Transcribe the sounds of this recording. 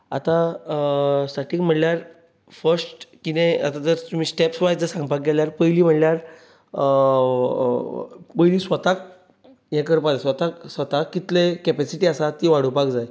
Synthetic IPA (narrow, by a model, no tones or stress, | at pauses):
a̰t̪ã | saʈiːkm̤əʈljaɾ | fəɾsʈkinẽa̰t̪at̪əɾt̪um̤iːsʈepsʋajd͡zd͡zəsãŋɡ̚pak̚ɡɛljaɾpəjliːm̤əʈljaɾ | pəjliːsʋət̪ak̚ | jɛ̃kəɾpad͡zesʋət̪aksʋət̪akːit̪lekɛpɛsiʈiːasat̪iʋaɽəpakd͡zaj